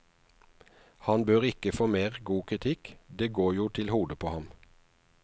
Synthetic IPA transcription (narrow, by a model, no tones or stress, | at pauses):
hɑnbøːʁɪkəfoːmeːʁɡuːkʰʁɪt̪ʰɪkd̪eːɡoːjuːt̪ʰɪlhuːd̪əpʰoːhɑm